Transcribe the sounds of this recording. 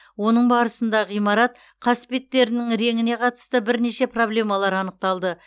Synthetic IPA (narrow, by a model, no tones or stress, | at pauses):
wo̞nəɴbɑɾəsənd̪ɑʁijmɑɾɑt̪̚ | qʰɑspe̞t̪ːe̞ɾɪnɪŋɾe̞ŋɪne̞qʰɑt̪ə̥st̪əbɪɾne̞ʃe̞pro̞blʲe̞mɑlˠɑɾɑnəq̚t̪ɑlˠd̪ə